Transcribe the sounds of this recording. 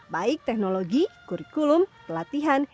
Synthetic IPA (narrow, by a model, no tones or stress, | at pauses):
baik̚t̪ɛknoloɡikuɾikulumt̪əlat̪iɦan